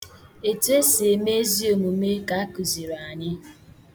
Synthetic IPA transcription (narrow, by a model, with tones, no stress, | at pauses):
e˨tu˦e˦se˨me˦zi˦o˨mu˨me˦ka˨a˦ku˨zi˨ɾa˨ɲɪ˦